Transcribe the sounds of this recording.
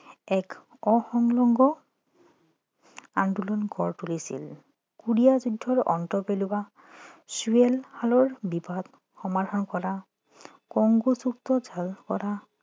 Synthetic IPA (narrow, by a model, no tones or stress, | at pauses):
ɛk | ɔxɔŋlɔŋɡɔ | andulɔnɡʱɔɹtulisḭl | kuɹijazudʱːɔɹʔɔ̰ntɔpeluwa | suelhalɔɹbibat̪ | xɔmad̪ʱɔnkɔɹa | kɔŋɡusuk̚tɔzʱalkɔ̰ɹa